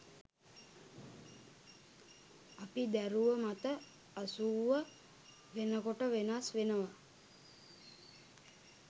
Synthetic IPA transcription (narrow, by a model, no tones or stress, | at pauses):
apid̪æɾuʋəmat̪ə | asuːʋə | ʋenəkoʈəʋenasʋenəʋa